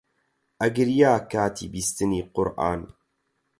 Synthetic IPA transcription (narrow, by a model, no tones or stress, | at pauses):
ʔɐɡɨɾjaːkʰaːt̪ʰḭːbist̪ɨniːqʊɾʔa̰ːn